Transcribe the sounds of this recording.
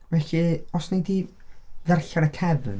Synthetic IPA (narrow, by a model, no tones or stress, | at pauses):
vɛɬiɔsnejdiðɛrɬaɾəkʰɛvn